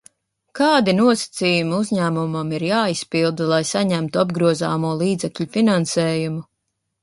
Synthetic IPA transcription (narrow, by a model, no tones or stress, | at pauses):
kaːd̪inuɔsḁt̪siːjumiuzʲɲæːmumamiɾjaːispilˠd̪ulˠajsaɲæmt̪uabɡɾuɔza̰ːmuɔlˠiːd̪zɛkʎʲufinansɛːjumu